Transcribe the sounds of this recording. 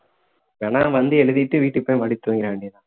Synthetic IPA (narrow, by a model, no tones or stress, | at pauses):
ʋɛɳaːʋɐnd̪ɯɛɻɯðɪʈːɯʋiːʈːɯpːoːjʋɐɽɪt̪ːɯʋɐŋɡɪɾɐʋeːɳɖiðãː